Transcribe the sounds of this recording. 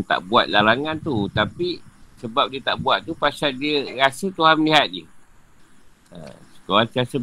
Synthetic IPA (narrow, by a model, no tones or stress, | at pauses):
t̪a̰ʔbuat̪̚lalaŋãnt̪ut̪apisəbap̚diət̪aʔbuat̪̚ːupasadiəɾasət̪uɦanməliɦat̪̚jə | ə̰sə̥kalansiasə